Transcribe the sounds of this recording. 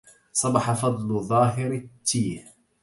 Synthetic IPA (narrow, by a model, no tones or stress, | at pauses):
sˤɑbɑħɑfɑd̪ˤlðˤɑːɦɪɾɪt̪ːiːh